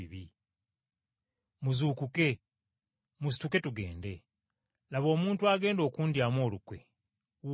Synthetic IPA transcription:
ḭβi | muzuːkuke̞ | mus̬i̥tuke̞tuɡe̞̰ːnde̞ | laβo̞ːmuːntuaɡe̞ːndo̞ːkuːndjamo̞ːlukwe̞̰

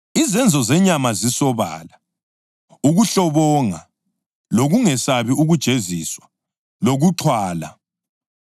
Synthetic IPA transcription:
izɛnd͡zʱɔzɛɲamazisɔβa̰ːla | uɣuɬɔβɔŋa̰ | loɣuŋɛsaβiuɣud̥ʒ̥ʱeziswa | loɣuǁʰwaːla̰

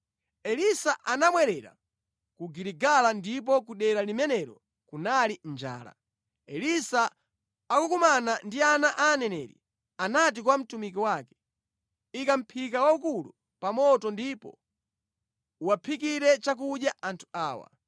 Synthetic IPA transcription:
ɛlisaʔanamwɛɾɛɾa̰ | kuɡiɾiɡalandip̬ɔk̬uɗɛɾalimɛnɛɾɔ̰ | kunalind͡ʒa̰ːla̰ | ɛlisaː | kukumanandianaʔanɛnɛ̰ɾḭ | anat̬ikwam̩tumik̬iwakɛ̥ | ikam̩pʰik̬awaukulṵ | pamɔtɔndipɔ̰ | uwapʰikiɾɛt͡ʃak̬uɗjaʔantʰu̥aːwa̰

